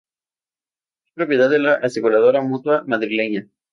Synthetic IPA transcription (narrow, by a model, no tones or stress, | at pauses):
espɾo̞pje̞ðaðelaʔasikulað̞oɾamut̪wamaðɾile̞ɲa